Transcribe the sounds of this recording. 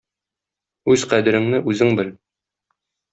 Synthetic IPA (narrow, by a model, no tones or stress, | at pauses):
ʉzqæd̪ɘ̆ɾɘ̆ŋnɘʔʉzɘŋbɘl